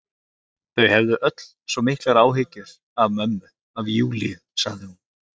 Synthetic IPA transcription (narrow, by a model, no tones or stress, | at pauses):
θœɥhɛvðʏʔœt̪l̥sɔmɪhklaɾaːwɦɪcʏɾ̥ | avmœmːʏ | avjuːliðsaɣðɪhun